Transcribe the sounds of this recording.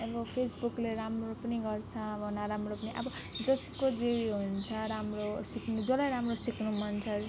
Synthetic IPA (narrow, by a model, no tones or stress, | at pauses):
ʌbʌpʰesbukleɾamropʌniɡʌrt͡sʰʌ̃bʌnaɾamropʌniʔʌ̰bʌ | d͡zʌskod͡zewiɦunt͡sʰʌɾamrosikʰnud͡zʌlʌjɾamrosikʰnumʌnt͡sʰʌ